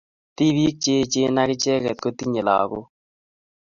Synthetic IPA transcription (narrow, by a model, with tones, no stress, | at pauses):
t̪i˦βiː˦k̚t͡ʃe˦t͡ʃe˦na˦kɪ˦t͡ʃɛ˦kɛ˨t̪̚ko˦t̪i˦ɲe˨la̰ː˨ko˦